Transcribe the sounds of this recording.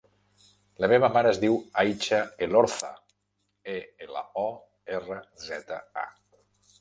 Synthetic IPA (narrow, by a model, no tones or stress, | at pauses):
ləmeβəmaɾəezðiwajt͡ʃaeloɾθə̰ | eela̰ɔ | erəzɛt̪ə̰a̰